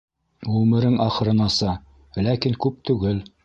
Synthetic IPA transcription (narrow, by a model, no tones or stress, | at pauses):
ʁʉmɘ̆ɾɘŋʔɑχɤ̆ɾɤ̆nɑsɤ | lækiŋkʉp̚t̪ʉɡɘl